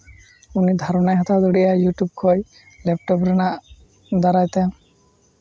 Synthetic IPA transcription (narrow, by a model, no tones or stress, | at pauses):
unid̪ʱaɾɔnajɦat̪ʰad̪ɔɽijajuʈjub̚kʰɔj | lɛp̚ʈɔbɾinaʔ | d̪aɾajt̪ɛ̃